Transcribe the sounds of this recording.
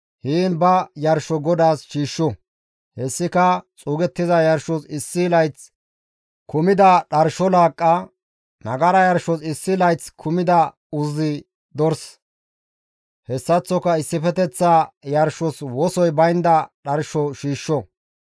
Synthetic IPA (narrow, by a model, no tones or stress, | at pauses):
hiːnbɐjɐɾʃɔɡɔd̪aːsʃiːʃːɔ | hɛsːɪkɐt͡sʼuːɡɛt̪ːɪzɐjɐɾʃɔsɪsːɪlɐjt͡s | kʰʊmɪd̪ɐɗɐɾʃɔlaːkʼːɐ | nɐɡɐɾɐjɐɾʃɔsɪsːɪlɐjt͡skʰʊmɪd̪ɐ | ʊzɪ | d̪ɔɾs | hɛsːɐt͡sːɔkɐɪsːɪfɛt̪ɛt͡sːajɐɾʃɔswɔsɔjbɐjnd̪ɐɗɐɾʃɔʃiːʃːɔ